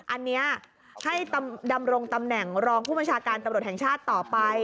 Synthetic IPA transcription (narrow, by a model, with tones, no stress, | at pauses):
ʔa˧nːi˦˥ɐ | ha˥˩jt̪a˧mda˧mɾo˧ŋt̪a˧mnɛ˨˩ŋɾɔː˧ŋpʰuː˥˩bə˧nt͡ɕʰaː˧kaː˧nt̪a˧mɾu˨˩t̪hɛ˩ŋt͡ɕʰaː˥˩t̪ːɔː˨˩pa˧j